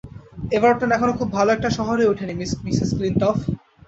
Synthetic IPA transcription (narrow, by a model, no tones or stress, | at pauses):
ebaɾʈanɛkʰonokʰubbʱaloɛk̚ʈaʃɔɦoɾeuʈʰenimismisesklinʈɔf